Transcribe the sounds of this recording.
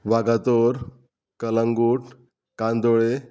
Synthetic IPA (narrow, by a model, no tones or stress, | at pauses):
ʋaɡat̪oɾ | kələ̃ŋɡuːʈ | kand̪oɭe